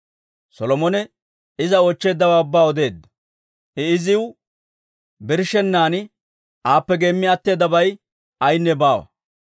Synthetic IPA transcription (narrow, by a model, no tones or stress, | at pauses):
sɔlɔmɔnɛ | ɪzɐoːt͡ʃːe̞ːd̪ːɐwaːʊbːaːɔd̪e̞ːd̪ːɐ̥ | hɛɪzɪw | bɪɾʃɛnːaːnɪ | ʔaːpːɛɡeːmːɪɐt̪ːe̞ːd̪ːɐbɐj | ɐjnːɛbaːwɐ̰